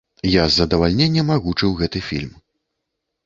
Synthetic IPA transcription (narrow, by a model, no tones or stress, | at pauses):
jazːɐd̪ɐvalʲnʲɛnʲːɐmaɣut͡ʂɨwɣɛt̪ɨfʲilʲm